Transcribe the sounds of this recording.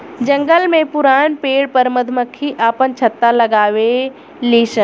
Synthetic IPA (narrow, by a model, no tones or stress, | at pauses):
d͡ʑɐ̃ŋɡəlmẽpʊɾaːñpeːɽpɐɾmɐd̪ʱməkʰiʔaːpənt͡ɕʰɐt̪ːalɐɡaːʋe | liːʃən